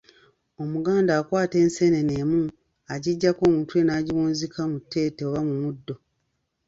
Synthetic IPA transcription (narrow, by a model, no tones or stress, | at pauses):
o̞muɡaːndaːkwaːte̞ːnse̞neneːmu | aɟiɟːako̞ːmuːntue̞naːɟiβuːnzikʰamutːe̞ːteoβamumudːo̞